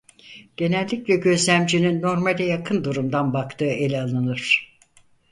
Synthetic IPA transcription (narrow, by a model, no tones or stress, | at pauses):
ɟ̥e̞nɛlʲːiclʲɛɟø̞zlʲæmd͡ʒinynːo̞ɾmalʲɛjakʰɯnd̪uɾumd̪anbakt̪ɯːe̞lʲalˠɯnɯɾ̥